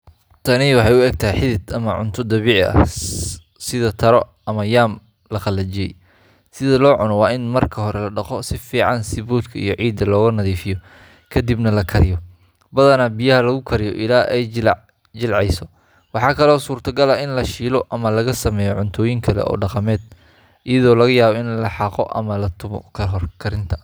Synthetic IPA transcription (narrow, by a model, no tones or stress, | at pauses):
t̪ʰɐnɪwɑħɑjʊɛɡ̚t̪ʰɐɦijħɪðɪd̪ɐmɐʕʊ̰nt̪ʰʊd̪ɐβiːʕ̰ɐ̰ | sɪðɐt̪ʰɐɾɔ | ɐmɐjaːm | lɐqɑlːɐt͡ʃɪjɛ̰j | sɪðɐlɔːʕʊnɔwɑːɪnmɐrkʰɐɦɔɾɛlɐɖɑqɔsɪfiːʕɑnsɪβuːd̪kʰɐḭjɔʕiːd̪ɐlɔːɣɐnɐðiːfɪjɔ | kʰɐd̪ibnɐlɐkʰɐɾɪjɔ | bɐðɐnɐbijɐɦɐlɐɣʊkʰɐɾɪjɔ̰ʔɪlaːʔɛj | t͡ʃɪlʕɛjsɔ | wɑħɑːkʰɐlɔːsuːrt̪ʰɐɡɐlaʔɪnlɐʃiːlɔʔɐmɐlɐɣɐsɐmɛːjɔʕʊnt̪ʰɔːjɪŋkʰɐlɛ̰ʔɔ̰ːɖɑqɑmɛːd̪̥ | ʔɪjɐðɔːlɐɣɐjaːβɔɪnlɐħɑqɔ̰ʔɐ̰mɐlɐt̪ʰʊmɔ̰kʰɐɦɔrkʰɐɾɪnt̪ʰɐ̥